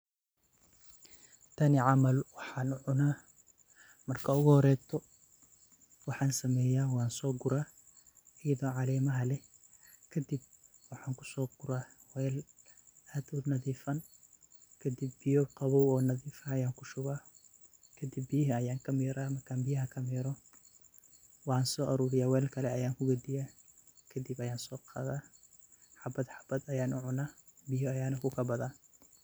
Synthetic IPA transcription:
t̪ʰɐnɪʕɑmɐlwɑħɑːnʊʕʊnaː | mɐrkʰɐʊɣʊhɔɾɛːt̪ʰɔ | wɑħɑːnsɐmɛːjaːwɑːnsɔːɡʊɾaː | ɪjɐðɔːʕɑlɛːmɐɦɐlɛ | kʰɐd̪ɪb̚wɑħɑːŋkʰʊ̥sɔːɡʊɾaːwɛːl | aːd̪ʊnɐðiːfɐn | kʰɐd̪ibːɪjɔqɑβɔwɔːnɐðiːfɐɐjaːŋkʰʊʃʊβaː | kʰɐd̪ɪbːijɦɐɐjaːŋkʰɐmiːɾaːmɐrkʰaːmbɪjɐɦɐkʰɐmiːɾɔ | wɑnsɔːʔɐɾuːɾɪjaːwɛːlkʰɐlɛɐjaːŋkʰʊɡɐd̪ɪjaːkʰɐd̪ɪbɐjaːnsɔːqʰɑ̰ːðaː | ħɑbɐd̪ħɑ̥b̥ɐd̪ɐjaːnʊʕʊnaːbɪjɔɐjaːnɐkʰʊkʰɐbɐðaːn

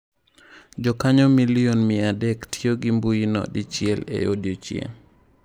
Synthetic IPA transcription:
d͡ʒɔkaɲɔmilionmɪadɛktʰioɡimbuinɔ̰dit͡ʃiɛlḛjodiot͡ʃjḛ

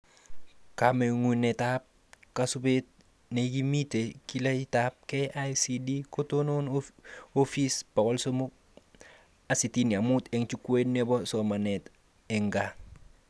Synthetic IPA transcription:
kameŋunetap̚ | kasubet̚ | neɡimitekilaitap̚keʔasidikotononofisb̥akɔlsomuk̚ | asitiniamuteŋt͡ʃukuenebosɔmanɛt | ɛŋɡa

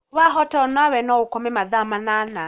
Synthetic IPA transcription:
βaɦɔtɔɔnawɛnɔukɔmɛmaðamanana

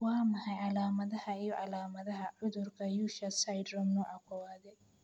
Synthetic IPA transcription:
wɑːmɐhɐjʕɑlaːmɐðɐhɐijɔʕɑlaːmɐðɐɦɐʕʊðʊrkʰɐjuːʃɐsɐjd̪rɔmnɔʔɐkʰɔwaːðɛ

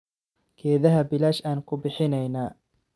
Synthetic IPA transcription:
kʰɛːðɐɦɐbɪlaːʃaːnkʰʊbɪħɪnɛjnaː

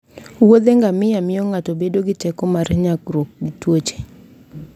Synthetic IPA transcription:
wod̪eŋɡamɪjamɪjɔŋatobedoɡɪt͡ʃɛkɔmarɲakɾok̚ɡɪtwot͡ʃe̥

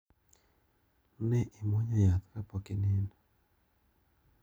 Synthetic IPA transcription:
nɛʔimwɔɲɔjat̪kapɔkɪnɪn

